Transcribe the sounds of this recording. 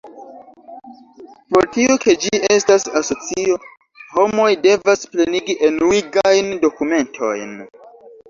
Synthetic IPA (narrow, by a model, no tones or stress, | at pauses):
po̞ɾtioke̞d͡ʒie̞stasaso̞t͡sio̞ | ho̞mo̞jde̞vaspleniɡiʔenuiɡajndo̞kume̞ntʰo̞̰jn